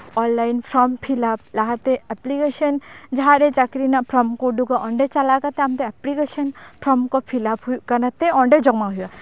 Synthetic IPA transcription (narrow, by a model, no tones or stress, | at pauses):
ɔnlajnpʰɾɔmpʰilap̚laɦat̪eɐplikeʃənd͡ʒaɦaɾet͡ʃakɾinapʰɾɔmkoɖuɡaʔɔɳɖet͡ʃalakat̪eamt̪eɐplikeʃənpʰɾɔmkopʰilapukɐnat̪ːeɔɳɖed͡ʒɔɡmãɦuja